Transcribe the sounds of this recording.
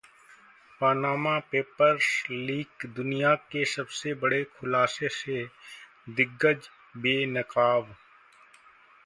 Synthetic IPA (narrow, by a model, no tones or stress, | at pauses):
paːnaːmapeːpəɾsliːɡd̪ʊnijakesɐbsebəɽekʰʊlaːsese | d̪ɪɡːəd͡ʒ | beːnɪkaːʋ